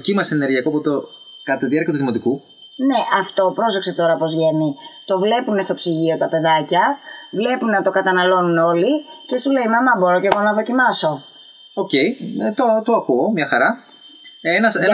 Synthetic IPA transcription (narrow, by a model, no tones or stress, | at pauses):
cimɐseeneɾʝiɐkoɐpot̪o | kɐt̪ɐt̪iðiɐɾciɐt̪uðimo̞t̪iku | ne̞ʔɐft̪o̞pɾo̞sokse̞t̪o̞ɾɐpo̞zʝe̞nit̪o̞vle̞pune̞st̪o̞psiʝio̞t̪ɐpe̞ðɐcɐvle̞punenɐt̪o̞kɐt̪ɐnɐlo̞nuno̞lice̞sule̞imɐmɐbo̞ɾoce̞ɣoonɐðo̞cimɐso̞ | oce̞it̪ot̪oɐkuomɲɐxɐɾɐ | enɐse